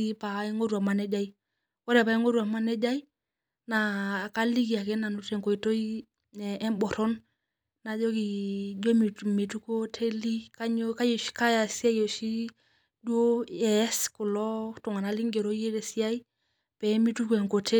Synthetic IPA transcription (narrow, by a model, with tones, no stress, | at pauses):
i˦pa˨ɛ˦ŋo˦ɾu˨a˨ma˨nɛ˦d͡ʒa˦i | kɔ˦ɾɛ˨pa˨i˦ŋo˦ɾu˨a˨ma˦nɛ˦d͡ʒa˦i˦ | na˨ka˦li˦ki˨a˨kɛ˦na˨nu˨tɛ˨ŋko˨i˨to˦i˦ | ɛ˨ɛ˦mbɔ˨ɾɔ˦n | na˨d͡ʒo˦ki˨d͡ʒo˦mi˨me˨tu˦ko˦tʰe˦li˦ka˦ɲo˦ka˦jo˨si̥˦ka˦ja˨si˦a˦jo˨ʃi˦ | du˦o˦ɛ˨˦sku˨lɔ˦tu˨ŋa˨na˨˦li˦ŋɡe˨ɾo˦je˦dɛ˨si˦ja˦i˦ | pɛ˨˦mi˦tu˦kɛ˨ŋko˨tʰe˦